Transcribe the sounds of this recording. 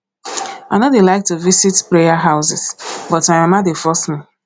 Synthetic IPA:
anodelaɪk̚tuvisitpɹejaɦaʊsɪsbɔtamãmadefɔsmĩ

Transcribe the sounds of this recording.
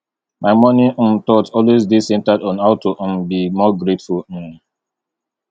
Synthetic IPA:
maɪmɔnim̩tɔtɔlwezdisɛ̃ntadɔ̃naʊtoʔ̩m̩bimɔɡɾetfulm̩

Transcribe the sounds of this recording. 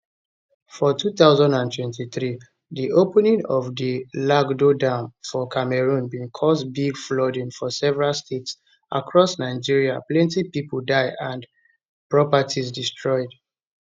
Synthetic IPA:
fɔtʰuθaʊzãndãntʰwɛ̃ntiθɹi | ðiʔopənĩŋɔvdəlaɡdodãmfɔkʰamɛɹũnbĩnkʰɔsbiɡflɔdĩnfɔsɛvɛɹalstʰets | ʔa̰kʰɹɔsnaɪd͡ʒiɹiaplɛ̃ntipipəl̩daɪãnd | pɹɔpatʰizdistɹɔɪd

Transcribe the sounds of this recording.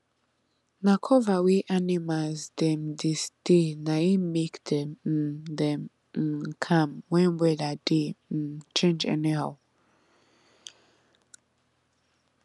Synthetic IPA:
nakʰɔvawiʔanimazdɛ̃mdisd̥enaimekdɛm̩dɛ̃m̩ | kʰãmwɛ̃nwɛladet͡ʃʰẽnd͡ʒɛ̰niha

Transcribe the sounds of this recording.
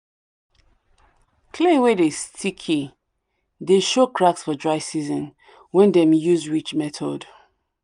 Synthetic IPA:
kʰlewedestʰikʰi | deʃokɹaksfɔdɹaɪsizɔ̃n | wɛ̃ndɛ̃mjuzwit͡ʃmɛtʰɔd

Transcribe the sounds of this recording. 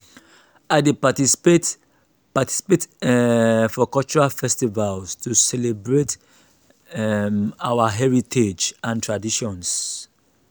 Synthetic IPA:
aɪdepatise | pati̥si̥pet | fɔkɔlt͡ʃuɹalfɛstivalstusɛlebɹet | ɛmawaɦɛɹitʰed͡ʒãntʰɹadiʃɔ̃ns

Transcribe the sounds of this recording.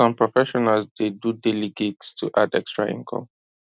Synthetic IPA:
ɔ̃mpɹɔfɛʃɔnalsdedudɛliɡikstʰuʔadɛkstɹa̰ʔḭ̃nkʰɔ̰̃m

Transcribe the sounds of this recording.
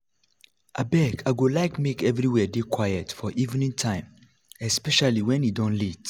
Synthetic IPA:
ʔa̰bɛkʰaɪɡolaɪkmekɛvɹiwɛdekʰwajɛtfɔʔivnĩŋtʰãɪ̃m | ɛspɛʃaliwɛ̃njidɔ̃nlit

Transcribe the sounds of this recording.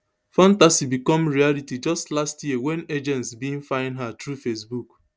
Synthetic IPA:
fãntasibikɔ̃mɹialitid͡ʒʌstlastjiəwɛ̃ned͡ʒɛ̃ntsbĩnfãɪ̃ndɦatɾufesbuk

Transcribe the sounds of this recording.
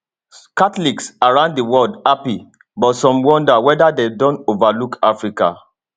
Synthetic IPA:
katliksaɹãʊ̃nddəwɔldapi | bɔtsɔ̃mwɔ̃ndawɛdadedɔ̃ntovalukʰafɹika̰

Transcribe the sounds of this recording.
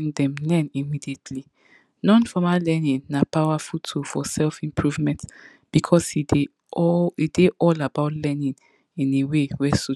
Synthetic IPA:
ŋdɛ̃mlɛ̃nimidietʰli | nɔ̃nfɔmalɛnĩnːapawafutʰufɔsɛlfĩmpʰɹuvmɛ̃nt | b̥ikʰɔshide | ɔideʔɔlabaʊtlɛnĩn | ĩnewewɛsu

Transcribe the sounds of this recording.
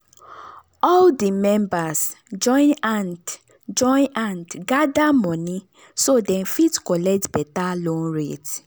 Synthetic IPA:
ɔldimɛ̃mbasd͡ʒɔ̃ɪ̃nãnd | d͡ʒɔ̃j̃nʔãndɡadamɔ̃nĩ | sodɛ̃nfitkɔlɛk̚tbɛtalonɾet

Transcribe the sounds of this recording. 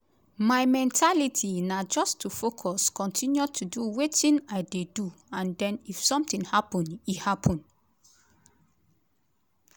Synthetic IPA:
majmɛ̃ntʰalitʰinad͡ʒɔstʰufokʰɔskɔ̃ntʰĩnjutʰuduwetĩnaɪdeduãndɛ̃nifsɔ̃mt̪ĩŋhapɔ̃nihapʰɔ̃n

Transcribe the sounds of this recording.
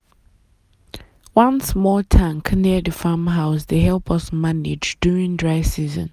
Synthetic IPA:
wʌ̃nsmɔːtʰãŋkniəðəfaːmɦaʊsdeɦɛlˠpʰʌsmanɪd͡ʒduːɹɪ̃ŋdɹaɪsiːzə̰̃n

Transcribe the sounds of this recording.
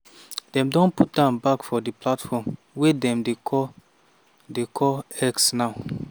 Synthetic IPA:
d̥ɛ̃mdɔ̃nput̚d̥ãnbakfɔdiplatfɔm | wedɛ̃mdekʰɔ | dekʰɔɛksnaʊ

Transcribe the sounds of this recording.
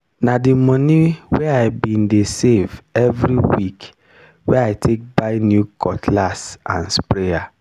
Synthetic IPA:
nadimɔniweaɪbĩndesevɛvɾiwik | wɛaɪtʰek̚baɪnjukʰɔtlasã̰nspɾea

